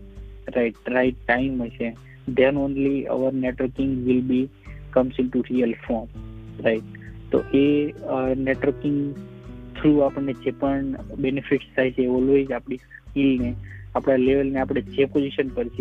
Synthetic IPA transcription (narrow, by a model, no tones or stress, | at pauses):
ɾaɪʈɾaɪʈːaɪmɦəjt͡ʃe | d̪ɛ̃nõnlia̰ʋəɾneʈʋəɾkɪ̃ŋɡʋɪlbi | kʌmsɪ̃ɳʈuɾijəlfɔɾmɾaɪʈ̚t̪o̰ʔe | neʈʋəɾkɪ̃ŋɡt̪ʰɾuapəɳːed͡ʒepəɳbenifɪʈst̪ʰajt͡ʃʰeːɔlʋed͡ʒapɽ̃is | kilneapɽ̃aleʋəlneapɽ̃ed͡ʒepod͡ʒiʃənpəɾt͡ʃʰe